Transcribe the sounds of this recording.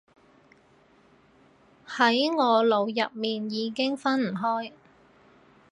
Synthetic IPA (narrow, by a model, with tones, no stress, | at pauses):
hɐ˨˥jŋɔː˨˧lo˨˧wjɐ˨p̚miː˨njiː˨˧kɪ˥ŋfɐ˥nm̩˨˩ɦɔː˥j